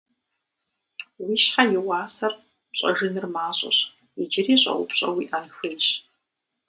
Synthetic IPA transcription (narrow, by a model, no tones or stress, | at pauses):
wiːʃħajɪwɑːsɐr | pɕʼɐʒɨnɨrmaːɕʷʼɐ̰ɕ | id͡ʒɪriːɕʷʼɐ̰ʔʷʊpɕʼɐ̰wiʔanxɨlɕ